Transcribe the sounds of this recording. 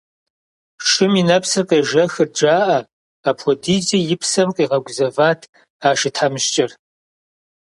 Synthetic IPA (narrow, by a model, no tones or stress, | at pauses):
ʂɨminɐpʰsɨrqeːʒɐxɨrd͡ʒaːʔɐ | aːpʰʷɔdiːzʼijɪpʰsɐmqʼiːʁɐɡʷʊzɐvaːtʰ | aːʃɪtʰħamɨʃt͡ʃʼɐr